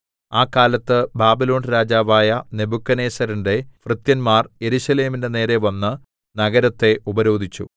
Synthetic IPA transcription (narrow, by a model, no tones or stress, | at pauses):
aːkːaːlɐt̪ːɨbaːbilo̞ːnɾaːd͡ʑaːʋaːjɐne̞bukːɐne̞ːsɐɾinde̞frɨt̪jɐnmaːrje̞ɾuɕɐle̞ːminde̞ne̞ːɾe̞ʋɐnːɨ | nɐɡɐɾɐt̪ːe̞ʔubɐɾo̞ːd̪ʱit͡ɕːṵ